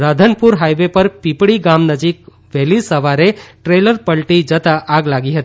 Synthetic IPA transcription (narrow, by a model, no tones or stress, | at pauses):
ɾad̪ʱənpuɾɦajʋepəɾpipɽiɡamnəd͡ʒik̚ | bʱelisəʋaɾeʈɾeləɾpəlʈid͡ʒət̪aʔaɡlaɡiɦət̪i